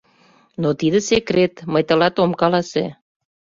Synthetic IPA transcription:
not̪id̪ə̆sekɾet̪məjt̪ə̆lɑt̪omkɑlɑsḛ

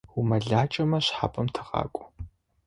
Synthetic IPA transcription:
wumɐɮaːt͡ʃʼɐmɐɕħa̰ːpʼɐmtʰɨ̥ʁɑ̰ːkʷʼʊ̥

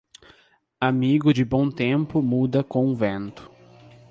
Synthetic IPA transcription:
amiɡʊd͡ʒɪbõw̃t̪ẽmpʊmud̪ɐkõũvẽnt̪ʊ̥

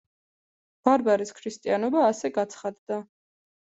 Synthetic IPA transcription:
b̥aɾbaɾiskʰɾist̪ʼianɔbaːsɛɡat̪sʰχad̪d̪a

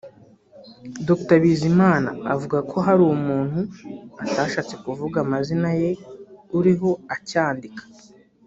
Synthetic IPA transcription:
dokutaβiːzimaːna̰ːvuɡakʰo̞ɦaɾuːwomuːn̥huataːʃaːt͡se̞kuvuɡamazinaje̞uɾiɦo̞acaːndikḁ

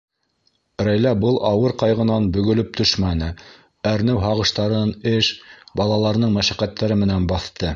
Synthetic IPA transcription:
ɾæjlæbɤlˠʔɑwɤɾqɑjʁɤ̆nɑnbɵ̆ɡɵ̆lɵp̚t̪ɵʃmænɘ | æɾnɘwɦɑʁɤ̆ʃt̪ɑɾɤnɘʃbɑlˠɑlˠɑɾ̆nɤɴmæʃæqæt̪ːæɾɘmɘ̆nænbɑθt̪ɤ

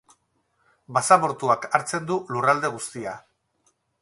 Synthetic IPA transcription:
basaβo̞ɾt̪uakaɾt͡se̞nd̪ulurald̪e̞ɣust̪ia

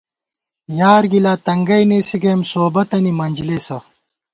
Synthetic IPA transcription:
jaːɾɡilaːt̪ɐŋɡɐjneːsiɡeːmsoːbɐt̪ɐnimɐnʲd͡ʑileːsɐ

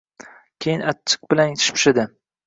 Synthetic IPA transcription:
kʲʰejɪnat͡ʃʰːɪ̥q̚bɪlant̪ʰɪ̥ʃpʰʊ̥ʃɪd̪ɪ

